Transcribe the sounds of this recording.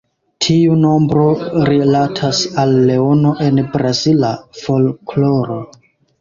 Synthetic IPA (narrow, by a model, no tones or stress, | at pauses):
tʰiuno̞mbɾo̞ɾilatʰasalːe̞o̞no̞ʔe̞nbɾazilafo̞lkloɾo